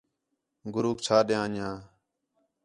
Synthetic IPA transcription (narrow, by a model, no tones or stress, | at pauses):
ɡʊɾuːkt͡ʃʰaːɗjãːɲãː